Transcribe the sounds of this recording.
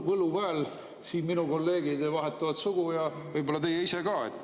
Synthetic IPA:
vɤluvæːl | siːnminuko̞lːe̞ːɡid̪evɑɦe̞t̪ːˑɑvɑt̪suɡ̥ujɑ | vɤjbolɑt̪e̞jːeisekɑːḛt̪ː

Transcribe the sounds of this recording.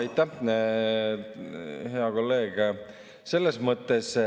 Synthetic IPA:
ɑjt̪ːˑæ | ɦe̞ɑko̞lːe̞ːɡ̥ | se̞lːesmɤt̪ːˑe̞s

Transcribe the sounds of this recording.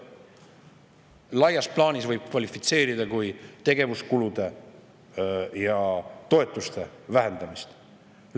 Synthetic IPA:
lɑjɑsplɑːnʲisvɤjb̥̚kvɑlifit̪se̞ːɾid̪̥ɑkujt̪e̞ɡ̥e̞vuskulud̪̥e̞ | jɑt̪o̞e̞t̪ːˑust̪e̞væɦe̞nd̪̥ɑmist̪

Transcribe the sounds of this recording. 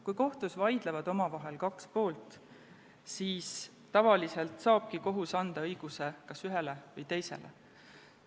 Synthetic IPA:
kujko̞ht̪usvɑjd̪̥levɑd̪o̞mɑvɑɦe̞lkɑkspo̞ːlt̪ˑ | siːs | t̪ɑvɑlise̞lt̪sɑːb̥̚kiko̞ɦusɑnd̪̥ɑɤjɡ̥use̞kɑsyɦelevɯjt̪e̞jse̞̰lʔḛ

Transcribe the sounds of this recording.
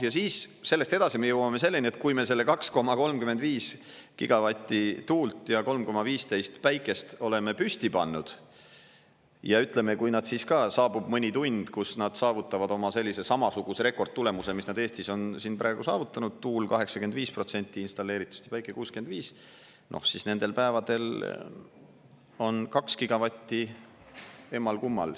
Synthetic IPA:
jɑsiːsse̞lːest̪e̞d̪̥ɑsime̞jɤwɑme̞se̞lːe̞nie̞t̪̚kujme̞se̞lːe̞kɑksko̞mɑko̞lmkymed̪viːs | kiɡ̥ɑvɑt̪ʲːˑit̪uːlt̪ˑjɑko̞lmko̞mɑviːst̪e̞jst̪pæjkːˑe̞st̪o̞le̞me̞pyst̪ipɑnːud̪̥ | jɑyt̪ˑle̞me̞kujnɑd̪̥siːskɑsɑːb̥ub̥mɤnʲit̪unʲd̪̥kusnɑd̪̥sɑːvut̪ːˑɑvɑd̪o̞mɑse̞lʲːise̞sɑmɑsuɡ̥use̞ɾe̞ko̞rd̪̥̚t̪ːule̞muse̞misnɑd̪eːst̪iso̞nsinprɑe̞ɡ̥usɑːvut̪ːˑɑnud̪̥̚t̪uːlkɑɦe̞ksɑkyend̪viːspro̞t̪se̞nʲt̪ˑːiinst̪ɑlːe̞ːɾit̪ːˑu̥st̪i̥pæjkːˑekuːske̞nd̪viːs | nʔo̰hsisne̞nd̪̥e̞lpæevɑd̪̥e̞l | o̞nkɑkskiɡ̥ɑvɑt̪ʲːi | e̞mːɑlkumːɑ̰l

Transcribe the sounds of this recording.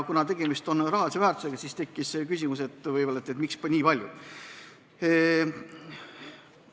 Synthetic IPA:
kunɑt̪̬e̞ɡ̥emist̪o̞nrɑɦɑlʲisevæːrt̪u̥se̞ɡ̥ɑsiːst̪e̞kːiskysʲimuse̞t̪ːˑvɤjbolːɑet̪ːet̪mikspnʲiːpɑlʲjṵ

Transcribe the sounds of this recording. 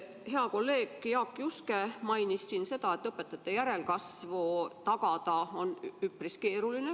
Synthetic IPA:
heɑko̞lːe̞ːɡ̥jɑkːˑiuskemɑjnisːinse̞t̪ɑe̞t̪ːˑɤpːe̞t̪ːˑɑt̪ːˑejæɾe̞lkɑsvot̪ɑɡ̥ɑt̪ɑo̞nypriske̞ːɾuline

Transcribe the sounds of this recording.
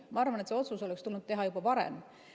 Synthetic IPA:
mɑɑrvɑnet̪se̞o̞t̪suso̞lɛkst̪ulnud̪̚t̪e̞ɦɑjubɑvɑɾḛm

